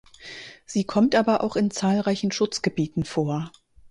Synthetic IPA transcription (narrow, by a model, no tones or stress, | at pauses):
z̥iːkʰɔmtʔaːbɐʔa̰ʊxɪnt͡saːlʁaɪçn̩ʃʊt͡sɡ̥əbiːtn̩foːɐ